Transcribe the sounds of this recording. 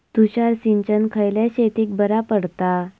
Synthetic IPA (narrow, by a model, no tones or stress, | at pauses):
t̪uɕaɾsiɲt͡ɕənkʰəjljaɕet̪iːk̚bəɾapəɽt̪a